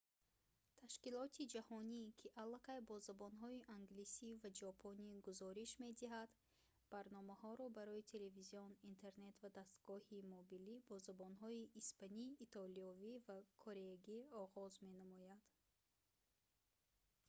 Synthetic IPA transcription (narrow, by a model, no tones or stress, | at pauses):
t̪ʰaʃkilɔt̪ʰid͡ʒahɔnikʰiʔalːaqajbɔzabɔnɦɔiʔaŋɡlisivad͡ʒɔpʰoniɡuzɔɾiʃme̞d̪iɦad̪ | b̥aɾnɔmahɔɾɔbaɾɔit̪ʰe̞le̞viziɔnint̪ʰe̞ɾne̞t̪vad̪ast̪ɡɔhimobilibɔzabɔnɦɔiʔːspaniːt̪ʰɔliɔvivakʰoɾeɡiɔʁɔzme̞namɔjad̪̥